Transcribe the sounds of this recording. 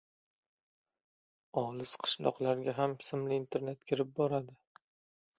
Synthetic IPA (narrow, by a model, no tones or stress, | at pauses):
ɒlˠɪsqʰɨ̥ʃlɒ̰qlaɾɡʲaɦamsɪmlɪːnt̪ʰe̞ɾne̞t̪kʲʰɪɾɪp̚bɒɾad̪ɪ